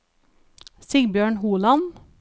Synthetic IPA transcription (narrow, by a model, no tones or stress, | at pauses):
sɪɡbjøːɳhuːlɑn